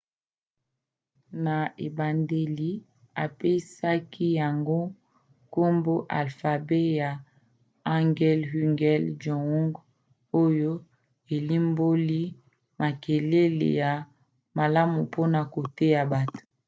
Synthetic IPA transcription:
na˨e˨ba˨nde˨li˨ | a˨pe˦sa˦kʰi˦ja˨ŋɡo˦ | ko˦mbo˦ʔa˨lfa˨be˦ja˨ | a˦ŋɡɛ˦lhy˦ŋɡɛ˦ld͡ʒɔ˨ɔ˦ŋɡ | o˦jo˦ | e˨li˦mbo˦li˦ | ma˨ke˨le˦lḛ˨ja˨ | ma˨la˦mu˨pʰo˦na˨ko˨te˦ja˨ba˨to̥˨

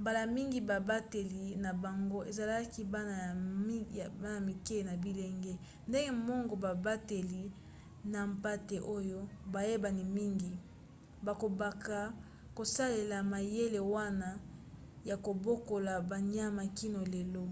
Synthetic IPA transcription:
mba˨la˨mi˦ŋɡi˨ba˨ba˦te˨li˨na˨ba˨ŋɡo˦ʔe˨za˨la˦ki˦ba˦na˨˦˨ | ba˦na˨mi˨ke˦˨na˨bi˦le˨ŋɡe˦ | nde˦ŋɡe˦mɔ˦ŋɡɔ˨ba˨ba˦te˨li˨ | na˨mpa˦te˨ʔo˦jo˦ba˨je˦ba˨ni˨mi˦ŋɡi˨ | ba˨ko˨ba˨ka˨ | ko˨sa˦le˨la˨ma˨je˦le˨wa˦na˦ | ja˨ko˨bo˦ko˨la˨ba˨ɲ˦a˦ma˨ki˦no˨le˨lo˦

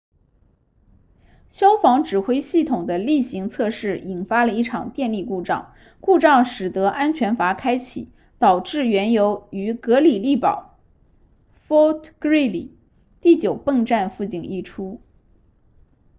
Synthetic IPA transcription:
ɕjɑ˥ʊfɑ˧˥ŋʈ͡ʂɻ̩˨˩xwe˥ɪɕi˥˩t̪ʰʊ˨˩ŋd̪ə˦li˥˩ɕi˧˥ŋt͡sʰɤ˥˧ʂɻ̩˥˩i˨˩nfa˥lə˨˧i˥˩ʈ͡ʂʰɑ˨˩ŋt̪jɛ˥˧nli˥˧ku˥˧ʈ͡ʂɑ̰˥˩ŋ | ku˥˧ʈ͡ʂɑ˥˩ŋʂɻ̩˨˩t̪ɤ˧˥ʔa˥nt͡ɕʰɥɛ˧˥nfa˧˥kʰa˥ɪt͡ɕʰḭ˨˩˦ | t̪ɑ˨˩ʊʈ͡ʂɻ̩˥˩ɥɛ˧˥njo˧˥ʊy˧˥kɤ˧˥li˨˩li˥˩pɑ̰˨˩˦ʊ | fɔ˥t̪ʰkɹi˥˩lḭ˨˩˦ | t̪i˥˩t͡ɕjo˨˩ʊpə˥˧ŋʈ͡ʂa˥˧nfu˥˧t͡ɕi˥˩ŋi˥˩ʈ͡ʂʰu˥

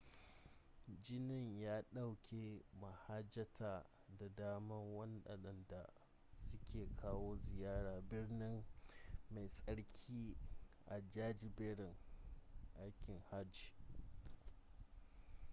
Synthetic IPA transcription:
d͡ʒɪ˦nɪ˨ɲjaː˦ɗa˦wkʲʰeː˨ma˨ha˦d͡ʒɐ˦tʰaː˨ | da˨daː˦mɐ˦ŋwɐ˦nɗɐ̰˨ɗɐ˨nda˨ | sʊ˦kʲʰeː˨kʰaː˦woː˦zɪ˨jaː˦ɽaː˨bɪ˦rnɪ˦ŋma˨jsʼɐ˦ɽkʲʰiː˦ʔa˨d͡ʒaː˦d͡ʒɪ˨beː˦ɽɪ˨ŋ | ʔa˦jkʲɪ˨ŋha˦d͡ʒi̥ː˨

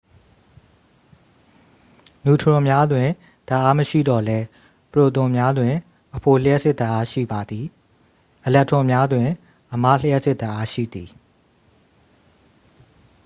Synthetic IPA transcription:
nu˨tʰəɹʊ̃˨mja˦dwɪ̃˨ | d̥a˨ʔa˦məʃḭ˦˨dɔ˨lɛ˦ | pəɹo˨t̪ʊ̃˨mja˦dwɪ̃˨ | ʔəpʰo˨l̥ə˦jɛ˦ʔsɪ˦t̪a˨ʔa˦ʃḭ˦˨ba˨d̪i˨ | ʔəlɛ˦ʔtʰʊ̃˨mja˦dwɪ̃˨ | ʔəma̰˦˨l̥ə˦jɛ˦ʔsɪ˦ʔt̪a˨ʔa˦ʃḭ˦˨d̪i˨

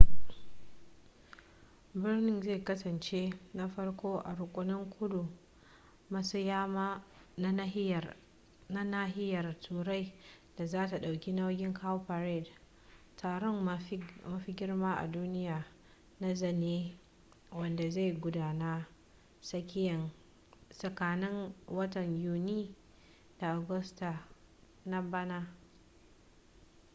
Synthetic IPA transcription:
bɪ˦rnɪ˦nze˦˨kɐ˦sɐ˨nt͡ʃe˦na˦ɸɐ˦ɽkʷoː˦ʔa̰˨ɾʊ˨kʷʼʊ˦nɪ˦ŋkʷʰʊ˦du˨˦ | sja˦ | na˦˨ | na˦na˦ɦɪ˦jɐ˨rtʰuː˨ɾa˦j | d̥a˨zaː˦ta˨ɗa˨wkʲi˦na˦wɡʲɪ˦ŋkʰa˦wpa˨ɾɛ˦˨d | tʰaː˨ɾɔ˦ŋ˦mɐ˦ɸi˦ɡʲɪ˦rmaː˦ʔa̰˨duː˦nɪ˦jaː˨ | na˦zɐ˨neː˦ | wɐ˦nda˨za˦˨jɡʷʊ˦daː˨naː˦ | sɐ˦kʲɪ˦jɐ˨n | sʼɐ˨kaː˨nɪ˦ŋwɐ˦tɐ˨ɲjuː˦niː˦ | d̥a˨ʔa˨ɡʊ˦sta˨ | na˦ba˦na˦

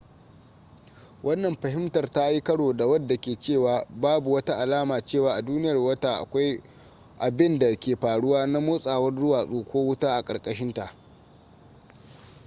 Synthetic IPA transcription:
wʔɐ˦nːɐ˨mɸɐ˨hɪ˦mtɐ˨rta˦ji˦kɐ˦ɽoː˨da˨wɐ˦dːa˨kʲeː˨t͡ʃeː˦˨waː˨baː˦bu˨wɐ˦ta˦ʔa˨laː˦maː˨t͡ʃeː˦˨waː˨ʔa˨duː˦nɪ˦jɐ˨rwɐ˦ta˦ʔa̰˨kʷa˦j | ʔa˨bɪ˦nda˨kʲeː˨ɸaː˨ɽʊ˦waː˦na˦moː˦sʼaː˨wɐ˦rzʊ˦waː˨sʼoː˨kʷoː˦wʊ˦taː˦ʔa˨kʼɐ˨kʼɐ˦ʃɪ˦nta˨ʔ

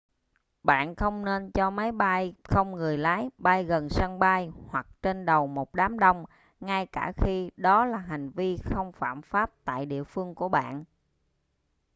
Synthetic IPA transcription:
ɓa̰ː˧˨nxə˧wŋ͡mne˧nt͡ɕɔ˧ma˨˦jɓa˧jxə˧wŋ͡mŋɨ˨˩əjlaː˨˦jɓa˧jɣə˨˩nsaː˧ŋɓa˧jhwa˨˩k̚t͡ɕe˧nɗə˨˩wmo˨˩t̚ɗaː˨˦mɗə˧wŋ͡m | ŋa˧jkaː˧˩xi˧ɗɔ˨˦laː˨˩ɦa˨˩jŋ̟vi˧xə˧wŋ͡mfa̰ː˧˩mfaː˦˥p̚t̪a̰ː˧˨jɗḭ˧˨əfɨ˧əŋku˧˩əɓa̰ː˧˨nʔ

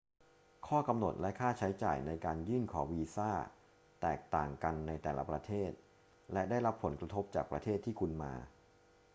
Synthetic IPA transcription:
kʰɔː˥˩ka˧mno˨˩t̪̚lɛ˦˥ʔkʰaː˥˩t͡ɕʰa˦˥jt͡ɕa̰ː˨˩jna˧jkaː˧njɯː˥˩nkʰɔː˩˦wiː˧saː˥˩ | t̪ɛː˨˩k̚t̪aː˨˩ŋka˧nːa˧jt̪ɛː˨˩la̰˦pɾa˧t̪ʰeː˥˩t̪̚ | lɛ˦˥daː˥˩jɾa˦˥pʰːo˩˦nkɾa˧t̪ʰo˦˥p̚t͡ɕa̰ː˨˩k̚pɾa˧t̪ʰeː˥˩t̪ʰːiː˥˩kʰu˧nma̰ː˧

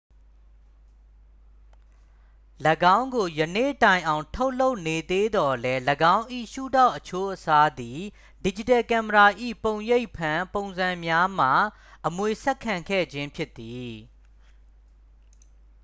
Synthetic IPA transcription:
lə˨ɡã˦ʊ̃ŋɡo˨jə˨nḛ˦˨tã˨ɪ̃ʔã˨ʊ̃tʰo˦ʊʔlo˦ʊʔne˨d̪e˦d̪ɔ˨lɛ˦ləɡã˦ʊ̃ʔḭ˦˨ʃṵ˦˨da˦˨ʊʔət͡ɕʰo˦ʔəsa˦d̪i˨ | di˨d͡ʑi˨tɛ˨kã˨məɹa˨ʔḭ˦˨põ˨ʊ̃je˦ɪʔpʰã˨põ˨ʊ̃nzã˨mja˦m̥a˨ | ʔəmwe˨sɛ˦kʰːã˨ŋkʰɛ̰˦˨d͡ʑɪ̃˦mpʰjɪ˦t̪ːi˨

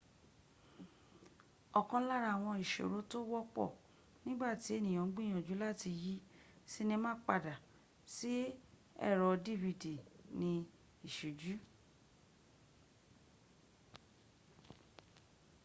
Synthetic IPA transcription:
ɔ˨kã˧˦la˦˨ɾa˦˨w̃ɔ̃˧i˨ʃo̰˨ɾo˨˦to˦wɔ˦k͡pɔ̰˦˨ | nĩ˦ɡ͡ba˦˨ti˨˦e˦˨nĩ˨ã˨˦ɡ͡bi˦˨j̃ã˨d͡ʒu˨˦la˦˨ti˧ji˦ | si˦nĩ˧mãː˦k͡pa˦˨da˨ | si˦ | ɛ̰˦˨ɾɔ˧di˦˨vi˨di˨nĩ˧ | i˨ʃo˨d͡ʒu˨˦

